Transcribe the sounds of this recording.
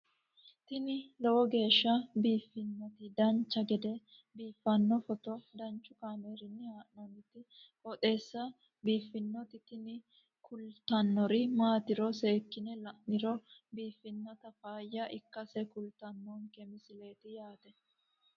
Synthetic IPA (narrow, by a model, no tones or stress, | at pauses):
t̪ɪnɪlɛwɔɡe̞ːʃːɐbiːfːɪnːɔt̪ɪd̪ɐnt͡ʃːɐɡɛd̪ɛ | biːfːɐnːɔfɔt̪ɔd̪ɐnt͡ʃːʊkaːmeːɾɪnːɪhaːʔnɐmɪt̪ɪhɔt̪ʼe̞ːsːɐ | biːfːɪnːɔt̪ɪt̪ɪnɪ | kʰʊlt̪ɐnːɔɾɪmaːt̪ɪɾɔse̞ːkːɪnɛlɐʔnɪɾɔbiːfːɪnːɔt̪ɐfaːjːɐʔɪkːɐsɛkʊlt̪ɐnːɔŋkɛmɪsɪle̞ːt̪ɪjaːt̪ɛ